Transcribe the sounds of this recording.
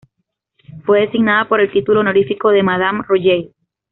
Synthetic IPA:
fwe̞ðesiɡnaðapo̞ɾe̞lt̪it̪ulo̞noɾifiko̞ðe̞maðamroʝej

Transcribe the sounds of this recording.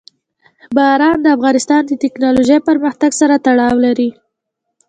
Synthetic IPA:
baɾɑnd̪əafɣɑnɪst̪ɑnd̪ət̪ɪknɑloʒəjpəɾməxt̪aɡsaɾat̪aɽɑwlaɾi

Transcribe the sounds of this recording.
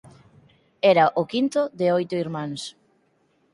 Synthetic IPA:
ɛɾɐʔʊkint̪ʊðɪojt̪ʊiɾmãŋs

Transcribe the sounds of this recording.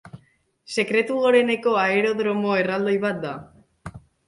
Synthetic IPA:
se̞kɾe̞t̪uoɾe̞ne̞koaeɾo̞ðɾo̞moe̞rald̪ojβat̪̚d̪a

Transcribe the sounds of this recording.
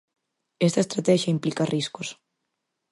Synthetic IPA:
est̪ɐest̪ɾat̪ɛʃjɐimplikɐrʔiskos

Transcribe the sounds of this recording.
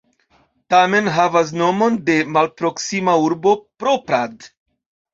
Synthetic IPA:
tame̞nɦavas̬no̞mo̞nde̞malpɾo̞ksimauɾbo̞pɾopɾad

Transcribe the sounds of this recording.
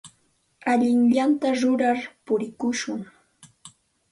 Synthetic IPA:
aʎɪŋʎant̪aɾʊɾaɾpʊɾɪkʊʃʊŋ

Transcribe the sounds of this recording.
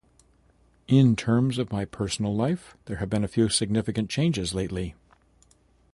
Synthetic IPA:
ʔɪ̃ntʰɜ̃˞mzʌvmaɪpʰɜ˞sn̩l̩ˠlaɪfðə˞ɨvbɨ̃nɨfjʉsɨɡ̚nɪfɨkɨ̃nt͡ʃʰẽɪ̃nd͡ʒɨzleɪtˡli

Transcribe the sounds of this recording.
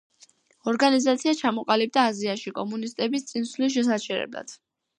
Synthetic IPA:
ɔɾɡanizat̪sʰiat͡ʃʰamɔqʼalib̚d̪aːziaʃikʼɔmunist̪ʼɛbist̪sʼinsliʃ̬ɛs̬at͡ʃʰɛɾɛ̰bla̰d̪̥

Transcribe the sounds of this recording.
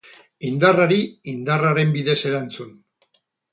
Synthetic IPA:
ind̪araɾiind̪araɾe̞mbiðe̞se̞ɾant͡sun

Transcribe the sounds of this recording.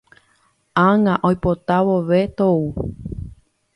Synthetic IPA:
aŋãʔojpot̪aʋoʋet̪ou

